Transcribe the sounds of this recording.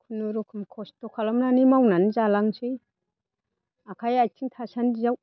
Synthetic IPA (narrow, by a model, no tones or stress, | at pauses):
kʰunuɾukʰɯmkʰɔstɔkʰalamnanimawnanizalaŋsɯj | akʰajajtʰiŋtʰasandizaw